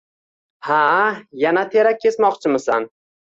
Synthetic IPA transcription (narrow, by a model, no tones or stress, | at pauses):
hajanat̪ʰeɾak̚ʲʰːe̞smɒqt͡ʃʰɪmɪsan